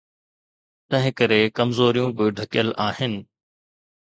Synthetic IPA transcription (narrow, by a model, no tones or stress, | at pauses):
t̪ɐ̃ɦɪ̃kɐɾekɐmzoːɾijũbɪɖʱɐkɪjəlaːɦɪnɪ̆